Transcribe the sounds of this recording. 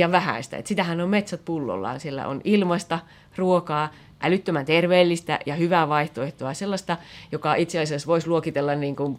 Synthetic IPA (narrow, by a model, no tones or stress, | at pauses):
jɑʋʋæhæ̰ist̪æ̰ḛt̪sit̪æhænommet̪sæt̪̚pulːo̰lːɑ̰ːnsielːæ̰ʔo̰nilmɑst̪ɑ | ruokɑː | ʔælyt̪ːømænt̪erʋeːlːist̪æ̰jɑhyʋæːʋɑiht̪oeht̪oɑselːɑst̪ɑjokɑit̪seɑsiɑsʋoisluokit̪elːɑnniːŋkun